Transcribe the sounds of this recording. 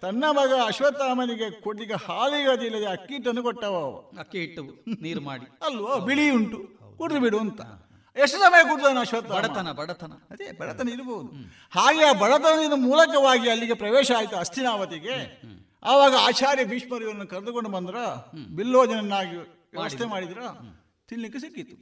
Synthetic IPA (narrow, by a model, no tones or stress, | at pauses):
t̪ɐnːɐbʱɐɡɐɐʃʋɐt̪ːaːmɐniɡe̞koɽliɡɐhaːliɡɐd̪ilːɐd̪eɐkːiːʈːɐnːukɔʈːɐʋɐʋɐ̰kːiʈːɐʋuniːɾmaːɽiɐlʋoːbiɭiuɳʈukuɽd̪ibiɽuɐnt̪ɐ | eʂʈːɐsɐmɐjɐk̬uɽd̪aːnɐɐʃʋɐt̪ːaɐːɽɐɐnɐbɐɽɐt̪ɐnɐɐd̪ebɐɽɐt̪ɐnɐiɾboːud̪u | haːɡeaːbɐɭɐt̪ɐnɐd̪inɐmuːlɐkɐʋaːɡiɐlːiɡepɾɐʋɛːʃɐaːjt̪ːɐɐst̪ʰinaːʋɐt̪iɡe̞ | ɐːʋaːɡɐaːt͡ʃaːɾjɐbiːʂmɐɾijɐɾɐnːukɐɾɐd̪ukoɳɖubɐnd̪ɾɐbilːoːd͡ʒɐnɐnːaːɡi | ʋast̪emaːɽid̪ɾɐ | t̪ilːikːesikːit̪ːu̥